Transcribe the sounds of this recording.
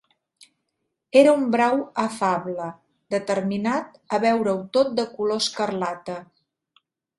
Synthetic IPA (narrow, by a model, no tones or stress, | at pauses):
eɾəumbɾawəfaβlə | d̪ət̪əɾminat̪əβɛwɾəwt̪ot̪̚d̪əkuloskərlat̪ə